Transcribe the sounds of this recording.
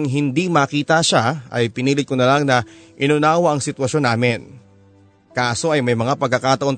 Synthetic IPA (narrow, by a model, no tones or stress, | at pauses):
ŋɦɪnd̪imɐkiːt̪ɐʃaʔɐ̰jpɪniːlɪt̪̚konɐlaŋnɐʔɪnʊnaːwɐʔɐŋsɪt̪wɐʃo̞nːaːmɪn | kaːso̞ʔɐjmɐjmɐŋapɐɡkːɐkaːt̪ɐʔo̞n